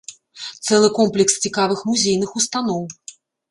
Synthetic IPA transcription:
t̪sɛlˠɨkɔmplʲɛkst͡sʲikavɨxmuzʲejn̪ɨxust̪anɔw

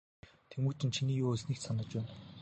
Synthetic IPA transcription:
t̪ʰemŭːt͡ɕʰɪ̆nt͡ɕʰiniːjuːɵsniːksanə̆t͡ɕpæːn

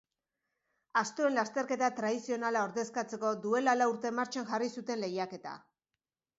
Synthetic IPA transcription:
ast̪oe̞nlast̪e̞ɾke̞t̪at̪ɾaðisionalao̞ɾðe̞skat͡se̞ko̞d̪ue̞lalauɾt̪e̞maɾt͡ʃaŋʝarisut̪e̞nle̞jake̞t̪a̰

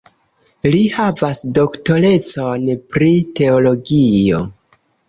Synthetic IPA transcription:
lihavasdo̞ktole̞t͡so̞npɾite̞olo̞ɡio̞̰

